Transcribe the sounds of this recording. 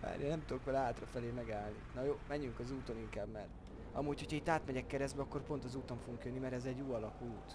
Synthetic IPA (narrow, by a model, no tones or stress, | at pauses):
ba̰ːɾḛnɛmt̪ud̪okʋɛlɛɦaːt̪rɒfɛleːmɛɡaːlninɒjoːmɛɲːyŋkɒzuːt̪o̞niŋkaːbmɛr | ɒ̰muːcho̞cʰhɒit̪ːaːt̪mɛɟɛkːɛɾɛzd̪bɛɒkːo̞rpont̪ɒzuːt̪o̞ɱfo̞ɡuŋkjønːimɛɾɛzɛɟːuːɒlɒkuːt̪